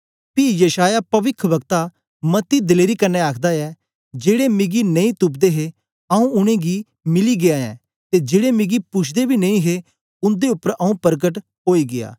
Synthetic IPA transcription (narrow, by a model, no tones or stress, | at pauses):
pijəʃaːjapɐʋɪkʰʋɐkt̪a | mɐt̪ːid̪ɪleːɾikɐnːeaːkʰd̪aɛ | d͡ʒeːɽemɪɡinɐ̃ĩt̪ʊpd̪eɦe | ɐũʊɽ̃ẽɡi | mɪliɡɪaɛ̰̃ː | t̪ed͡ʒeːɽemɪɡipʊt͡ʃʰd̪ebʱinɐ̃ĩɦe | ʊ̃nd̪eʊpːəɾɐũpɐɾɡəʈ | ɦoːiɡɪa̰ː